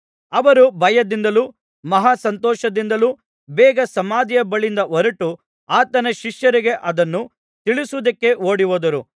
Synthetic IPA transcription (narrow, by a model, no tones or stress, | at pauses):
ɐʋɐɾubɐjɐd̪ind̪ɐluː | mɐɦaːsɐnt̪ɔːʃɐd̪ind̪ɐluː | bɛːɡɐsɐmaːd̪ijɐbɐɭind̪ɐɔɾɐʈu | aːt̪ɐnɐʃiʃjɐɾiɡe̞ʔɐd̪ɐnːu | t̪iɭisud̪ɐkːe̞oːɽiʋoːd̪ɐɾu